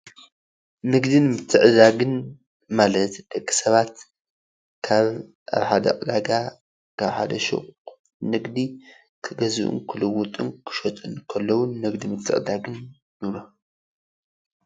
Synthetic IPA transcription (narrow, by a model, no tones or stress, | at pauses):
nɨɡd̪ɨnmɨt̪ʰːɨʕɨd̪aɡɨn | malɐt̪d̪̥ɐkʼːi̥sɐβat̪ | kʰaβ | ʔa̰βħad̪ɐ̰qʼɨd̪aɡa | kʰaβħa̰d̪ɐʃo̰ | nɨɡd̪i | kʰɨɡɐzɨʔṵnkʰɨlɨwːut̪ʼunkʰɨ̥ʃot̪ʼɨnkʰɐlːɐwunːɨɡd̪imɨt̪ʰːɨ̰ʕɨd̪aɡɨn | jɨβlo